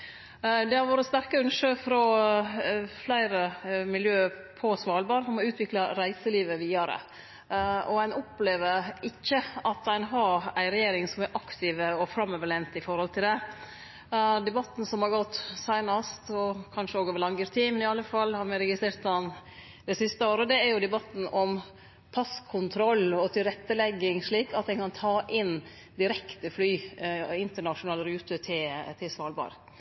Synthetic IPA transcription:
d̪ɛhɑɾʋoːɾətst̪æɾkəʉnʂøːfɾɔ | flæɪɾəmɪljøː | pʰɔsʋɑːlbɑːɾfɔmɔʉːt̪ʰʋɪklɑɾæɪsəliːʋəʋiːɑɾə̰ | ɔæɪnɔpleːʋəɾɪkːəɑt̪æɪnɦɑɾæɪɾɛjeːɾɪŋsɔmɛɾʔɑkt̪ʰɪʋəɔfɾɑmøːʋəɭeːʋnt̪ɪfɔɾhɔlt̪ʰɪld̪ɛ | d̪ɛbɑt̪ːn̩sɔmhɑɾɡɔt̪ːsæɪnɑst̪ɔkʰɑnʂəoːɡɔʋəlɑŋɡəɾt̪ʰiːmnɪɑlːəfɑlːhɑɾmɛɾɛɡɪst̪ɾeːɾt̪ɑn | d̪ɛsɪst̪əoːɾəd̪ɛæɾjʊd̪ɛbɑt̪n̩ɔm | pʰɑskʰʊnt̪ʰɾɔlːɔt̪ʰɪlɾɛt̪ːəlɛɡːɪŋʂɭiːkɑt̪̚d̪ɛnkɑnt̪ʰɑːʔɪn | d̪ɪɾɛkt̪əflyːɪnt̪əɳɑʂʊnɑːlɾʉːt̪ət̪ʰɪlt̪ʰɪlsʋɑːlbɑ̰ːɾ

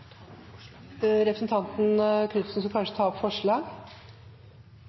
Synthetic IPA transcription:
ɾɛpɾəsən̩t̪ʰɑnt̪n̩k̪ʰʉt̪sn̩skɑkʰɑnʂət̪ʰɑːɔpfɔʂɭɑːɡ

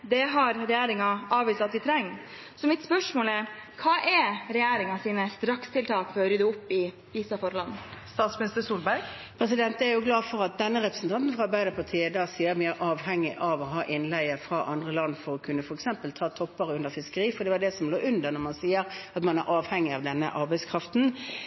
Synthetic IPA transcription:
d̪ɛɦɑɾɾɛjæːɾɪŋɑɑːʋiːsɑt̪ʋɪt̪ʰɾɛŋː | sɔmɪt̪spœʂmoːlɛkʰɑːʔɛɾɾɛjæːɾɪŋɑsiːnəst̪ɾɑkst̪ʰɪlt̪ʰɑːkfɔɾɔɾyːd̪ʉʊpːɪ | ʋiːsɑfɔɾlɑnːst̪ɑːt̪smɪnɪst̪əsuːlbæɾɡ | pʰɾɛs̬ɪd̪ɛnt̪əæɾjʊɡlɑːfɔʁɑt̪̚d̪ɛnːəʁɛpɾəsn̩t̪ʰɑnt̪n̩fʁɑɑbæɪd̪əpʰɑʁt̪ʰiːəd̪ɑːsiːəɾmɪæɾʔɑːʋhɛŋːɪʔɑʋɔɦɑːʔɪnlæɪəfʁɑʔɑnd̪ʁəlɑnːfɔɾɔkʰʉnːəfɔɾɛksɛmpəlt̪ʰɑːt̪ʰɔpːəʁəʉnd̪əɾfɪskəɾiːfɔd̪ɛʋɑd̪ɛsɔmloːʔʉnd̪əʁnɔʁmɑnsiːəɾɑt̪mɑnæɾʔɑːʋhɛŋːɪɑʋd̪ɛnːə̰ʔɑɾbæɪskʰɾɑft̪n̩

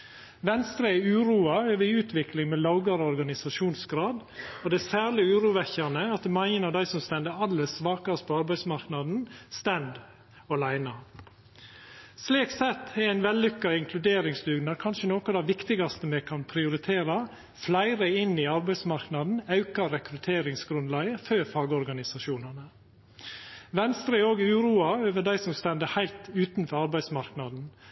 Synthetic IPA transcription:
ʋɛnst̪ɾəɛʉːɾuːɑøːʋəʉːt̪ʰʋɪklɪŋmɛːlɑʊɡɑɾəɔɾɡɑnɪsɑʃuːnsɡɾɑːd̪ɔd̪ɛsæːɾlɪʉːɾuːʋɛçɑnəɑt̪̚mæɪənəɾd̪æɪsɔmst̪ɛnd̪əɾɑlːəsʋɑːkɑst̪pʰɔɑɾbæɪsmɑɾknɑd̪n̩st̪ɛnd̪ | ɔlæɪnɑ | sleːksɛt̪ʰːɛɾæɪnʋɛlːʏkːɑɪŋkʰlʉd̪eːɾɪŋslʉɡnɑɾkʰɑnʃənoːkɑd̪ɑʋɪkt̪ɪɡɑst̪əmɛːkʰɑnpʰɾɪʊɾɪt̪ʰeːɾɑ | flæɪɾəɪnːiːɑɾbæɪsmɑɾknɑd̪n̩ɑʉkɑɾɛkɾʉt̪ʰeːɾɪŋsɡɾʉnlæɡəføːɾfɑːɡəɔɾɡɑnɪsɑʃuːnɑnə | ʋɛnst̪ɾəɛoːɡʉːɾuːɑøːʋəɖæɪsɔmst̪ɛnd̪əhæɪlt̪ʉːt̪n̩fɔɾɑɾbæɪsmɑɾknɑd̪n̩

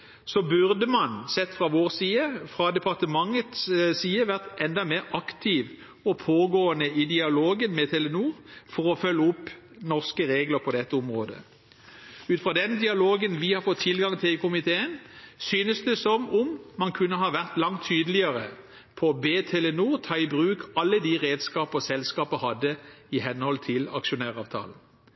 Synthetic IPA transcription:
sɔbʉʁd̪əmɑnsɛt̪ːfʁɑʋoːʁsiːəfʁɑd̪ɛpʰɑʁt̪əmɑŋət̪ssiːəʋæʁt̪ʔɛnd̪ɑmeːʁɑkt̪ʰɪʋ | ɔpʰoːɡoːənəɪd̪ɪɑloːɡənmɛt̪ʰɛlɛnuːʁfɔʁɔfœlːəʊpː | nɔʁskəʁeːɡləʁpʰɔd̪ɛt̪ːəʊmʁo̰ːd̪ə̰ | ʉːt̪fʁɑːd̪ɛnd̪ɪɑloːɡənʋɪhɑfɔt̪ʰːɪlɡɑŋt̪ʰɪlkʰʊmɪt̪ʰeːənsyːnəsd̪ɛsɔmʊmːɑnkʰʉnːəɦɑʋæʁt̪lɑŋt̪ʰːyːd̪əlɪəʁə | pʰɔbeːt̪ʰɛlɛnuːʁt̪ʰɑːɪbʁʉːkʰɑlːəd̪iʁeːd̪skɑːpɔsɛlskɑːpəhɑd̪ːəɪɦɛnhɔlt̪ʰɪlɑ̰kʃʊnæːʁɑːʋt̪ʰɑ̰ːln̩

